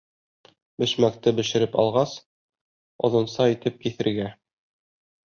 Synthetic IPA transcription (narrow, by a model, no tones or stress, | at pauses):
bɘ̆ʃmæk̚t̪ɘbɘ̆ʃɘ̆ɾɘpɑ̰lˠʁɑs | ŏ̰ðɤ̆nsɑit̪ɘp̚kiθɘ̆ɾɡæ